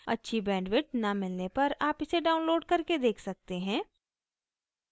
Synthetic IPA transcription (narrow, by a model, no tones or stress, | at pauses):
ɐ̰tːʃʰibɛ̃ːɳɖʋɪʈ̚nɐmɪlnepɐɾaːpɪseɖaːʊ̃nloːɖkɐɾked̪eːkʰsɐk̚t̪eɦɛ̃ː